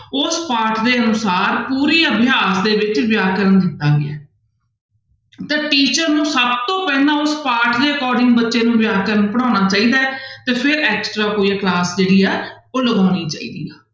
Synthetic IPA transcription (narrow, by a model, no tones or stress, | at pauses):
ʊspaːɾʈʰd̪eːənʊsaːɾpuːɾiːəbʱɪjaːsd̪eːʋɪt͡ʃʋɪjaːkəɾənd̪ɪt̪ːaːɡɪɛː | t̪eːʈiːt͡ʃəɾnũːsəbt̪õːpɛ̃ːd̪ãːʊspaːɾʈʰd̪eːəkɔːɾɖɪ̃ŋɡbətːʃeːnũːʋɪjaːkəɾənpəɽ̃ãːñaːt͡ʃaːiːd̪aːt̪eːpʰɪɾɛːksʈɾaːkoːiːɛːklaːsd͡ʒeːɽiːɛː | oːləɡaːniːt͡ʃa̰ːḭːd̪iːaː